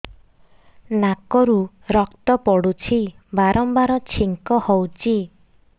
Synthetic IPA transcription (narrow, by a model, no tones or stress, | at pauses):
nakɔɾu | ɾɔkt̪ɔpɔɽut͡ʃʰi | baɾʔɔmbaɾɔt͡ʃʰiŋkɔhɔwt͡ʃʰi